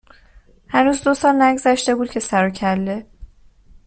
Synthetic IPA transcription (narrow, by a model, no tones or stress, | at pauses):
hænuːzd̪osɒːlnæɡzæʃt̪e̞buːd̪̥̚cʰe̞sæɾocʰælːe̞